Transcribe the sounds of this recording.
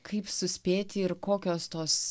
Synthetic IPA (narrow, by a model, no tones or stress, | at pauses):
kʰɐɪpsʊsʲpʲeːt̪ʲɪɪɾkoːkʲoːst̪oːs